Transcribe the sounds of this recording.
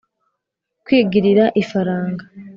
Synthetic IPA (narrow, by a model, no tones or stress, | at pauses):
kwiːɡiɾiɾaʔifaɾaːŋɡa